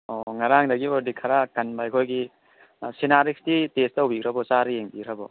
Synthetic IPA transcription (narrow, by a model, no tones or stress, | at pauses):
ɔŋaɾaŋdɐɡiɔɾdikʰaɾakɐnbajkʰojɡi | sinaɾiksditestawbikɾɐbɔt͡ʃaɾijeŋbiɾɐbɔ